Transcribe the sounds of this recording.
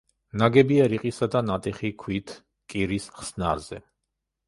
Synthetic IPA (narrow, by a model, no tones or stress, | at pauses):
naɡɛbiaɾiqʼisad̪anat̪ʼiχikʰwit̪ʰ | kʼiɾisχsnaɾzɛ